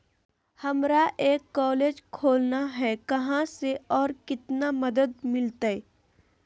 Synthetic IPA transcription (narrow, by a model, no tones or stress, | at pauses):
hɐmɾaʔeːkːɔːleːd͡ʒkʰoːlnaɦɛkɐɦãseɔːɾkɪt̪namɐd̪əd̪̚mɪlt̪aɛ